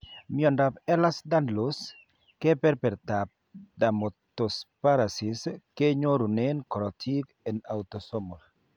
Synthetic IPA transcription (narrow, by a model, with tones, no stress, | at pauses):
miɔ˨nda˨pɛ˦la˦sd̪a˦ndlos | kɛ˦pɛ˦ɾpɛ˨ɾt̪a˨p̚d̪a˨mot̪o˨spa˦ɾa˨si˨ske˦ɲo˦ɾu˨ne˦nkɔ˨ɾɔ˨tʰi˦k | ɛ˨na˨wt̪ɔsɔmol